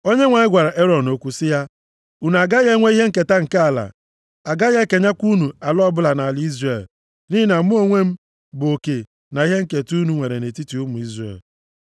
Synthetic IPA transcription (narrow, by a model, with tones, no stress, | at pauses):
o˦ɲe˦ŋʷa˨ɲɪ˦ɡʷa˨ɾa˨ʔe˦ɾɔ˨n˨o˦kʷu˦sɪ˦ja˦ | u˨n˨a˨ɡa˦ɣe˦ŋʷe˦i˦ɦe˦ŋ̩˦ke˨ta˦ŋ̩˨ka˦a˨la̰˨ | a˨ɡa˦je˦ke˨ɲa˦kʷu˦nu˨a˨lɔ˦bʊ˦la˨na˨a˨lɪ˦i˦zre˨l | ni˦i˦na˨˦mu˦o˦ŋʷe˦m̩˦ | bʊ˨o˨ke˨ | na˨i˦ɦe˦ŋ̩˦ke˨tu˦nu˨ŋʷe˨ɾe˨ne˨ti˦ti˨u˦mʊ˨i˦zrḛ˨l